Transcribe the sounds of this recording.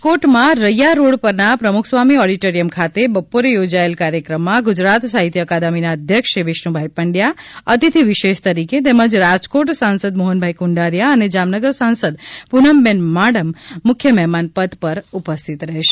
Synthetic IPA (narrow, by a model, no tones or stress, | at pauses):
koʈmãɾəjaɾoɽpəɾnapɾəmukʰsʋamiɔɽiʈoɾijəmkʰat̪ebəpoɾejod͡ʒaelkaɾjəkɾəmːãɡʊd͡ʒɾat̪saɦit̪jəəkad̪aminaəd̪ʱjəkʃiʋɪʃnũbʱajpəɳɖjaət̪it̪ʰiʋiʃeʃt̪əɾiket̪ɛməd͡ʒɾad͡ʒkoʈsãnsəd̪moɦənbʱajkuɳɖaɾjaəned͡ʒamnəɡəɾsãnsəd̪punəmːɛnmaɽəmːʊkʰjəmɛɦmanpəd̪pəɾupəst̪ʰit̪ɾəɦeʃe̥